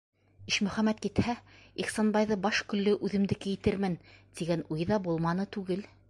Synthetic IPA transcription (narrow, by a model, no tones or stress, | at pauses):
iʃmɵ̆χæmæt̪̚kit̪hæiχsonbɑjðɤbɑʃkɵ̆lːɘʔʉðɘ̆md̪ɘ̆kɘ̆jɘ̆t̪ɘɾmɘnt̪iɡænujðɑbulˠmɑnɤt̪ʉɡɘl